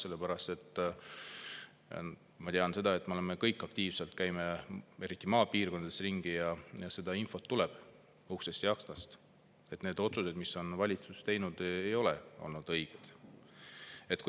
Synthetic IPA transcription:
se̞lːepæɾɑst̪e̞t̪ː | mɑt̪eɑnse̞d̪̥ɑe̞t̪ːˑmeole̞mekɤjkːˑɑk̚t̪iːv̥se̞lt̪kæjmee̞ɾit̪ˑːimɑːpiːrkoɑd̪esriŋɡ̥ijɑjɑse̞d̪ɑinfo̞t̪ːule̞b̥ | uhsest̪jɑksnɑst̪ | e̞t̪ne̞ːd̪̥o̞t̪suse̞d̪misːo̞nvɑlʲit̪sust̪e̞jnud̪̥ejo̞lḛo̞̰lnud̪̥ɤ̞jɡ̥ed̪̥ | e̞t̪k

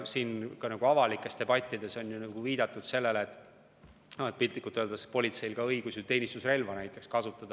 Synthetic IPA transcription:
siːnkɑnɑɡ̥uɑvɑlikːˑe̞st̪e̞bɑt̪ʲːˑid̪̥e̞so̞njunɑɡ̥uviːd̪̥ɑt̪ːˑud̪̥se̞lːe̞leːt̪ː | et̪̚pilʲt̪ˑikːˑut̪ːˑøld̪ɑspo̞lʲit̪se̞jlɡɑɤiɡusit̪e̞ːnʲist̪usre̞lvɑnæjt̪ːˑe̞kskɑsut̪ːˑɑd̪̥

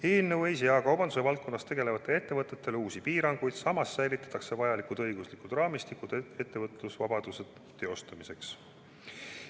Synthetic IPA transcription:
eːlnəwejsijɑkɑwbɑnd̪usevɑlt̪̚ko̞nːɑst̪e̞ɡ̥e̞le̞vɑt̪ːˑe̞le̞t̪ːe̞vɤt̪ːˑe̞t̪ːe̞luːsipiːɾɑŋɡ̥ujd̪̥sɑmɑsːæjlit̪ːˑɑ̥t̪ːˑɑkse̞vɑjɑlikud̪̥ɤjɡ̥uslikud̪̥rɑːmist̪ikˑud̪̥e̞t̪ːevɤt̪ˑlusvɑbɑd̪̥used̪ | t̪ːe̞o̞st̪umise̞ks

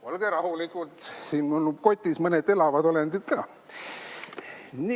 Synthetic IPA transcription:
olɡ̥eɾɑhulikːˑut̪siːnmolːub̚ko̞t̪ʲːˑismɤned̪e̞lɑvɑd̪o̞lend̪̥it̪kɑː | ni

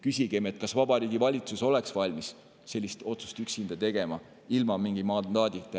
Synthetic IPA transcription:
kysʲiɡ̥emet̪̚kɑsvɑb̥ɑɾiːɡ̥ivɑlʲit̪suso̞le̞ksvɑlʲmis | se̞lʲːist̪o̞t̪su̥st̪yksind̪̥ɑt̪e̞ɡ̥e̞mɑ | ilmɑmiŋɡimɑnd̪ɑːd̪̥it̪ː

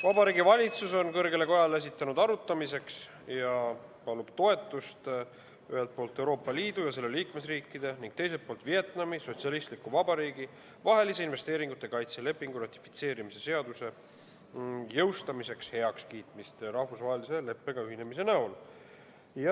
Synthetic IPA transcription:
vɑbɑɾiːɡivɑlʲit̪suso̞nkɤrɡe̞le̞ko̞jɑlees̬it̪ːˑɑnud̪ɑɾut̪ːˑɑmise̞ks | jɑpɑlub̥t̪o̞e̞t̪ːˑust̪ | y̰he̞lt̪̚poːlt̪ːˑe̞wɾo̞ːpːˑɑliːd̪̥ujɑs̬e̞lːeliːkme̞sriːkːˑid̪̥e̞niŋɡ̥̚t̪e̞jset̪̚po̞ːlt̪vie̞t̪nɑmiso̞t̪siɑlist̪likuvɑbɑɾiːɡ̥i | vɑɦe̞lis̬e̞inve̞st̪e̞ːɾiŋɡut̪ːˑe̞kɑjt̪se̞le̞pːˑiŋɡ̥uɾrɑt̪ʲːˑi̥fi̥t̪se̞ːɾimise̞se̞ɑd̪use̞ | jɤ̞wst̪ɑmise̞kshe̞ɑkskiːt̪ˑmist̪ɾɑhvusvɑːɦelise̞le̞pːˑe̞ɡ̥ɑyɦine̞mis̬e̞næol | j

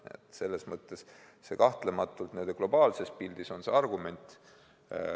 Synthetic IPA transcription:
ḛt̪ˑse̞lːe̞smɤt̪ːˑe̞s | se̞kɑht̪le̞mɑt̪ːˑult̪ne̞nd̪̥e̞klo̞b̥ɑːlse̞spild̪̥iso̞nse̞ɑrɡume̞nʲt̪ˑ

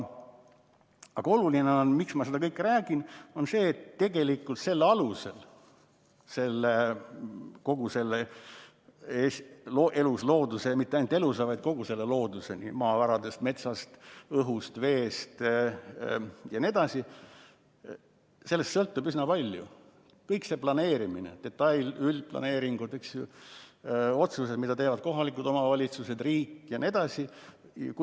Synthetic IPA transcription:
ɑɡ̥ɑo̞lulineonmiksmɑse̞d̪ɑkɤjkːˑræːɡ̥ino̞nse̞ːt̪ːe̞ɡ̥e̞likˑːult̪se̞lːɑluse̞l | se̞lːe | ko̞ɡ̥use̞lːe | esloʔe̞luslo̞ːd̪use̞mit̪ːeɑjnut̪elus̬ɑvɑjd̪̥̚ko̞ɡ̥use̞lːelo̞ːd̪use̞nḭmɑːvɑɾɑd̪e̞st̪me̞t̪sɑst̪ɤɦust̪ve̞ːst̪ | jɑnʲie̞d̪ɑsi | se̞lːest̪sɤlt̪ːubysnɑpɑlʲjṵ | kɤjkse̞plɑne̞ːɾiminḛd̪̥e̞t̪ːˑɑjlylʲplɑ̰ne̞ːɾiŋɡ̥ud̪̥yksju | o̞t̪sus̬e̞d̪mid̪ɑt̪e̞ːvɑd̪̥̚ko̞ɦɑlikːˑud̪o̞mɑvɑlʲit̪suse̞d̪riːkːjɑnie̞d̪̥ɑsi | k

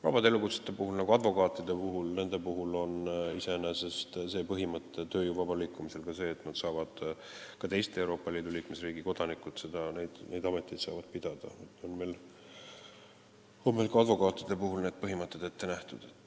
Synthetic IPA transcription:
vɑ̰b̥ɑd̪eelːukut̪se̥t̪ːˑe̞puɦulnɑɡ̥uɑd̪vo̞kɑːt̪ːˑid̪̥e̞puɦulne̞nd̪̥e̞puɦulo̞nise̞nese̞st̪se̞ːpɤɦimɤt̪ˑːe̞t̪ø̞ːjuːvɑb̥ɑliːkːumise̞lkɑse̞ːt̪ːnɑd̪̥sɑːvɑd̪̥ | kɑt̪e̞jst̪eewɾo̞ːpːˑɑliːd̪̥uliːkme̞sriːɡ̥iko̞d̪̥ɑnikːˑut̪se̞d̪̥ɑnejd̪̥nʔe̞jd̪ɑme̞t̪ːˑid̪̥sɑ̰ːvɑd̪̥pid̪̥ɑd̪̥ɑ̰t̪onmel | onmelkɑɑd̪vo̞kɑːt̪ːˑid̪̥e̞puɦulne̞ːd̪̥̚pɤɦimɤt̪ːˑed̪̥et̪ːe̞næht̪ud̪̥et̪ːˑ

